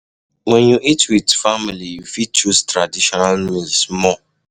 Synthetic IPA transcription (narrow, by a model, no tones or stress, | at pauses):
wɛnjuʔitwidfamilijufit͡ʃustɾadiʃɔnalmilsmɔ